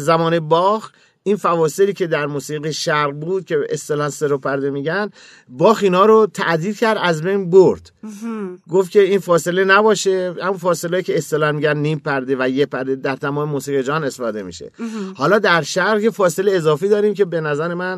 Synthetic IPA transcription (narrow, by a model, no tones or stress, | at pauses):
zæmɒːne̞bɒːx | infævɒːse̞liːcʰe̞d̪æɾmusiːɣiʃæɾʁbuːd̪̥̚cʰʲe̞est̪elɒnseɾopʰæɾd̪emiːɟænd̪ | bɒːxiːnhɒːɾot̪ʰæʔd̪iːɾcʰæɾd̪æzbejnboɾd̪̥ | ɡo̞ft̪kcʰe̞iːnfɒːse̞le̞næbɒːʃe̞hæmunfɒːseleːicʰʲeːst̪elɒnmiːɟænːiːmpʰæɾd̪evæjepʰæɾd̪ed̪æɾt̪ʰæmɒːmemuːsiːɣed͡ʒɒːnest̪efɒːd̪e̞mḭʃḛhɒːlɒːd̪æɾʃæɾʁjefɒːseleːzɒːfiːd̪ɒːɾiːmce̞be̞næzæɾe̞mæn